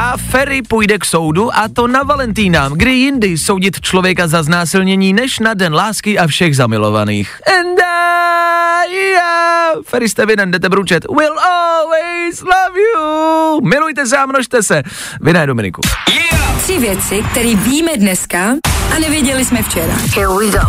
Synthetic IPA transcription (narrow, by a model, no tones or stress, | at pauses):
ʔafɛɾɪpujdɛkso̞wduʔat̪o̞navalɛnt̪iːnaːmɡdɪjɪndɪsowɟɪt̪t͡ʃlo̞vjɛkazaznaːsɪlɲɛɲiːnɛʃnadɛnlaːskɪʔafʃɛɣzamɪlo̞̰va̰nḭːxɛnda | jɪjafɛɾɪst̪ɛvɪnɛndɛt̪̬ɛbɾut͡ʃɛt̪wɪlɔlwɛjzlavjumɪlujt̪ɛs̬ɛamnoʃt̪ɛsɛ | vɪnajdomɪnɪ̰kṵ | t̪r̥ɪvjɛt͡sɪk̚t̪ɛɾiːviːmɛdnɛskaʔanɛvjɛɟɛlɪsmɛft͡ʃɛɾa̰ɛido